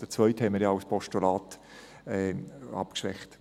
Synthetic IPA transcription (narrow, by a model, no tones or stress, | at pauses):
d̥ət͡svœʏt̪hɛməɾjɑaʊspʰɔʃtulɑːt̪ | ɛːɑ̰pkʃʋɛ̰χt